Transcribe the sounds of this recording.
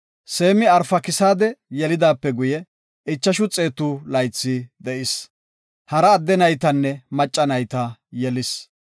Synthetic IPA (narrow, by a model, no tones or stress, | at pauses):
seːmɪɐɾfɐkɪsaːd̪ɛjɛlɪd̪aːpːɛɡʊjɛ | ʔɪt͡ʃːɐʃʊt͡sʼe̞ːt̪uːlɐjt͡sːɪd̪ɛʔɪs | hɐɾɐːd̪ːɛnɐjt̪ɐnːɛmɐt͡ʃʼːɐnɐjt̪ɐjɛlɪs